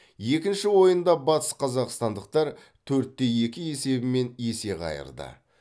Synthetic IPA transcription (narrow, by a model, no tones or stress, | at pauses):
je̞kʲɪnʃɪwo̞jənd̪ɑbɑt̪ə̥sqʰɑzɑqst̪ɑnd̪əq̚t̪ɑɾ | t̪ʰɵɾt̪ːe̞je̞kʲɪe̞se̞bɪme̞nje̞se̞ʁɑ̰jə̰ɾd̪ə̰